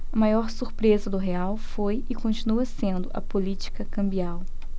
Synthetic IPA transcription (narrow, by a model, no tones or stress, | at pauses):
ɐmajɔɾsuɾpɾezɐd̪ʊɦeawfojɪkõnt͡ʃinuɐsẽnd̪ʊʔɐ̰polit͡ʃi̥kɐkɐ̃mbiaw